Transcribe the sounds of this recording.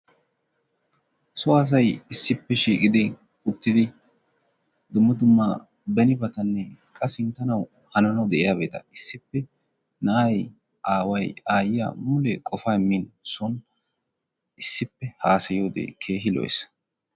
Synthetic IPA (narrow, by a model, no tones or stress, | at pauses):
sɔas̬ɐjɪsːɪpːɛʃiːkʼɪd̪ɪ | ʊt̪ːɪd̪ɪ | d̪ʊmːɐd̪ʊmːa | bɛnɪbɐt̪ɐnːɛkʼɐsɪnt̪ːɐnɐw | hɐnɐnɐwd̪ɛʔɪjaːbe̞ːt̪ɐɪsːɪpːɛ | nɐʔɐj | ʔaːwɐjaːjɪja̰ːmʊlɛkʼɔfaːɪmːinsɔn | ɪsːɪpːɛhaːsɐjoːd̪ḛːkʰe̞ːɦɪlɔ̰js